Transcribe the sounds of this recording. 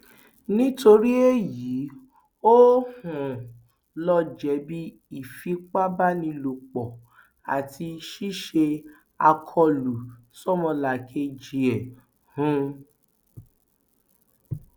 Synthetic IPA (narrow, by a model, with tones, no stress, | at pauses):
nĩ˦to˧ɾi˦e˦ji˨˦ | o˦hũ˨ | lɔ˧d͡ʒɛ˨˦bi˦ | i˨fi˨˦k͡pa˦ba˦nĩ˧lo˨k͡pɔ˨ | a̰˨tʰi˧ʃi˦ʃe˧ | a˧kʰɔ˧lu˨ | sɔ˦mɔ̃˧la˨kʰe˧d͡ʒi˨ɛ˨ | hũ˨˦